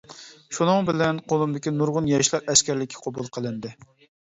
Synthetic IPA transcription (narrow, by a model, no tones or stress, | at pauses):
ʃunɨŋbɪlɛnqʰolˠɨmbɪkʲinuɾʁʊnjɑʃlˠɑɾɛskʲæɾlɪkʲʰːɪ̥qʰɑbulˠqʰəlˠɨnd̪ɪ